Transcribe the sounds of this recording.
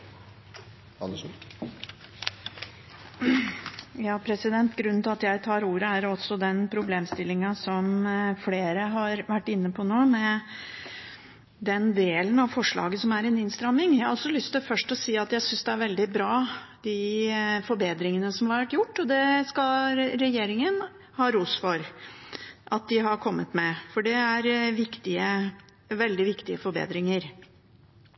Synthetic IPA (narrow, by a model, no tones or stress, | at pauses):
ɑ̰ə | jɑːpʰɾɛsɪd̪ɛnt̪ɡɾʉnnɪlɑt̪jæɪt̪ʰɑːɾuːɾəæɾɔsːɔd̪ɛnpʰɾʊbleːmst̪ɪlːɪŋɑsɔmfleːɾəɦɑɾʋæʈːɪnːəpʰɔnoːmɛ | d̪ɛnd̪eːlənɑʋfɔʂɭɑ̰ːɡəsɔmæɾɛnɪnst̪ɾɑmːɪŋjæhɑɾʔɑlsɔlʏst̪ɪlfœʂʈɔsiːɑt̪jæɪsʏnsd̪ɛæɾʋɛld̪ɪbɾɑːd̪ɪfɔɾbeːd̪ɾɪŋənəsɔmhɑɾʋæʈːjʊʈːɔd̪ɛskɑlɾɛjeːɾɪŋən | hɑːɾuːsfɔɾ | ʔɑt̪̚d̪ɪɦɑɾkʰɔmːət̪mɛfɔɖɛæɾʋɪkt̪ɪə | ʋɛld̪ɪʋɪkt̪ɪəfɔɾbḛːd̪ɾɪŋəɾ